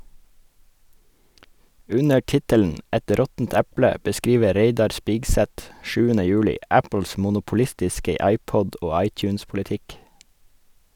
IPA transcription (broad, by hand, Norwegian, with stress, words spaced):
ˈʉnə ˈʈɪtəln̩ ˈɛt ˈɾɔtn̩t ˈɛplə bəˈskiːʋə ˈɾeɪdɑɾ ˈspiːɡsɛt ˈʃʉːənə ˈjʉːlɪ ˈæpəl̩s mʊnʊpʊˈlɪstɪskə ˈɑɪˌpɔd ˈoː ˈɑɪˌc͡çʉːnspʊləˌtɪk